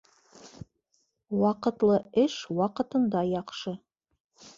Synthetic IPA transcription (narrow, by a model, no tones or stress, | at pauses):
wɑqə̆t̪lˠɤɘʃwɑqə̆t̪ɤ̆nd̪ɑjɑχʃɤ